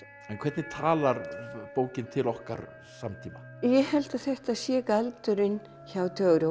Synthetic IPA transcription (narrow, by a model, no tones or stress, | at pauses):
ɛnkʰvɛt̪nɪ̥t̪ʰaːlaɾpoːwcɪnt̪ʰɪlɔhka̰ɾ | samt̪ʰiːma | jɛhɛlt̪aθɛht̪asjɛkalt̪ʏɾʏn | çawt̪ʰœːɣɾɪ